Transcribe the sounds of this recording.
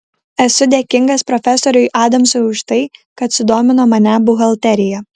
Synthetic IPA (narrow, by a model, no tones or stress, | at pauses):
ɛsʊd̪ʲeːkʲɪŋɡɐspɾɔfʲɛsɔːɾʲʊɪʔɑːd̪ɐmsoʊʃt̪ɐɪkɐt̪sʲʊd̪oːmʲɪnoːmɐnʲæbʊɣɐlˠʲt̪ʲɛɾʲɪjɛ